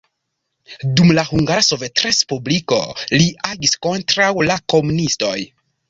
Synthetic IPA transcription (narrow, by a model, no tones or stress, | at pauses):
dumlahuŋɡaɾso̞ve̞tɾespubliko̰liaɡisko̞ntɾawlako̞munisto̞j